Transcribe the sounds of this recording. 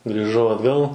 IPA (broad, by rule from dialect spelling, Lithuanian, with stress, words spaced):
ɡrʲiːˈʒɐʊ ɐdˈɡɐlˠ